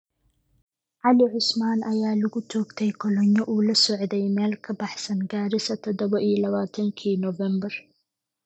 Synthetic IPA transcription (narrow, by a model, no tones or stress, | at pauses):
ʕɑlɪʕʊsmaːnɐjaːlɐɣʊt͡ʃʰɔːɡt̪ʰɛjkʰɔlɔɲjɔʔuːlɐsɔʕd̪ɛjmɛːlkʰɐbɑħsɐnɡaːɾɪsɐt̪ʰɔd̪ɔβɐʔiːlɐβaːt̪ʰɐŋkʰiːnɔvɛmbɐr